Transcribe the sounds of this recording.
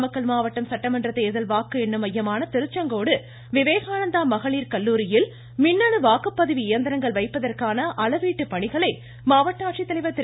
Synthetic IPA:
mɐkːɐɭmaːʋɐʈːɐmsɐʈːɐmɐndrɐt̪ːeːðɐlʋaːkːɯɛnːɯmɐjːɐmaːnɐt̪ɪɾɯt͡ʃːɐŋɡoːɽɯ | ʋɪʋeːɣaːnɐnd̪aːmɐɣɐɭiːɾkɐlːuːɾɪjɪl | mɪnːɐɳɯʋaːkːɯpːɐðɐʋiɪjɐnd̪ɐɾɐŋɡɐɭʋɐɪpːɐðɐrkaːnɐʔɐlɐʋiːʈːɯpːɐɳɪɣɐɭɐɪ | maːʋɐʈːaːʈt͡ʃit̪ːɐlɐɪʋɐt̪ːɪ

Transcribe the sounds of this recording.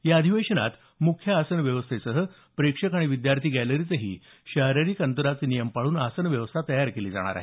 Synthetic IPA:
jaəd̪ʱiʋeɕəna̰t̪ | mukʰjaːsənʋjəʋəst̪ʰesəɦə | pɾekʂəkaɽ̃iʋid̪jaɾt̪ʰiːɡæləɾit͡səɦḭː | ɕəɾəɾiːkənt̪əɾat͡senijəmpaɭuːnasənʋjəʋəst̪ʰat̪əjaɾkeliːd͡za̰ɽ̃a̰ɾa̰ɦe

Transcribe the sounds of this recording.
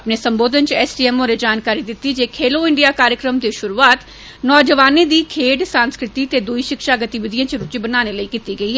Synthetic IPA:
əpneːsəmboːd̪ənt͡ʃɛːsʈiːɛːmoːɾed͡ʒaːnkaːɾiːd̪ɪt̪ːiːd͡ʒeːkʰeːloːɪɳɖijaːkaːɾjəkɾəmd̪eːʃʊɾuːaːt̪ | nɔːd͡ʒəʋaːneːd̪iːkʰeːɖsãːnskɾɪt̪iːt̪eːd̪ʊiːʃɪkʃaːɡət̪iːʋəd̪ijãːt͡ʃɾʊt͡ʃiːbənaːneːləiːkiːt̪iːɡəiːɦɛː

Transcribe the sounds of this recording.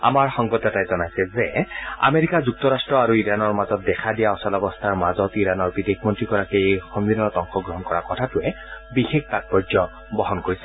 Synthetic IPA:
a̰maɹxɔŋɡɔtɛtajzɔnajsɛzɛa̰meɹikazuk̚tɔɹastɹɔaɹuiɹanɔɹmazɔt̚dɛkʰadijaɔsalɔbɔstʰaɹmazɔtiɹanɔɹbidekʰmɔntɹiɡɔɹakeexɔnbinːɔtɔŋxɔɡɹɔɦɔnkɔɹakɔtʰatʊɛ | bixekʰtat̚pɔzɔ | bɔɦɔnkoɹisɛ̥

